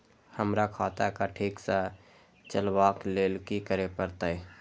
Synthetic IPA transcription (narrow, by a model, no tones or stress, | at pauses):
həmɾakʰaːt̪akaʈʰiːksa | t͡ʃəlwaːkleːlkikəɾepəɾt̪aɦɛ